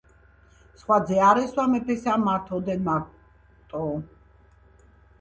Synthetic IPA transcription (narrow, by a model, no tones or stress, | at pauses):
sχwad̪zɛaɾɛswamɛpʰɛsamat̪ʰɔd̪ɛnma | t̪ʼɔ